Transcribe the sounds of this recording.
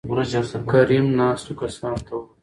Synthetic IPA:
kɐɾimnaːst̪ukɐsãːnt̪ʰɐw

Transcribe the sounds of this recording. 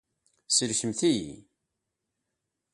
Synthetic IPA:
səɾçəmθijḭ

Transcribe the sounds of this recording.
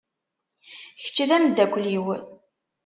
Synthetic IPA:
çə̥t͡ʃːðæmd̪ːækʷːliwən

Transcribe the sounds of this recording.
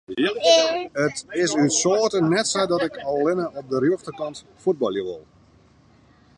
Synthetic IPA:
ətɪsytsoːtənɛtsɛjdɔtɪkɔlˠlɪnəɔp̚dərjoftəkɑnt | fud̚bɔlˠjəʋɪ̰lˠ

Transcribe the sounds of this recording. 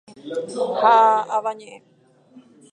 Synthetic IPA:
haaβaɲẽʔẽ

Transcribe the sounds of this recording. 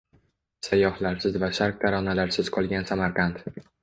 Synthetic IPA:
sajːɒhlaɾsɪzvaʃaɾq̚t̪ʰaɾɒnalaɾsɪz̥qʰɒlˠɡʲansamaɾqʰɑnt̪

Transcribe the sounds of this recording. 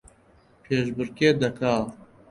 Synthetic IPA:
pʰeːʃbɨɾkeːd̪ɐkʰaːɾ

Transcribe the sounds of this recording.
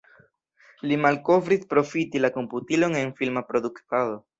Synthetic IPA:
limalko̞vɾispɾo̞fitilako̞mputilo̞ŋe̞nfilmapɾo̞d̪uktado̞

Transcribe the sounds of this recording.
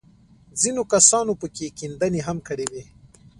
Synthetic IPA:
zinokasɑːnopəkekind̪aneɦamkəɽewe

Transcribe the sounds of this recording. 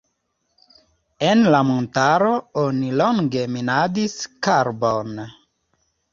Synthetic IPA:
enlamontaɾooniloŋɡeminadiskaɾbon

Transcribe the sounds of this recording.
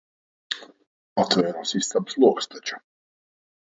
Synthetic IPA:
at̪ʰvɛːɾasist̪sapslˠuɔkst̪ʰat͡ʃʰḁ

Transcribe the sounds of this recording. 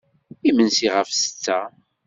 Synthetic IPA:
imənsiʁəfsə̥t͡sːæ

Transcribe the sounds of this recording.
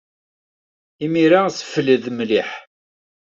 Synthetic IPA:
imiɾasə̥fləðmliħ

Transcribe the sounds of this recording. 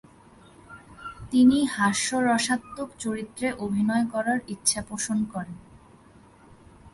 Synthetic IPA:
t̪inihaʃːoɾɔʃat̪ːokt͡ɕoɾit̪ːɾeʔobʱinɔekɔɾaɾitːɕʰapoʃonkɔɾen

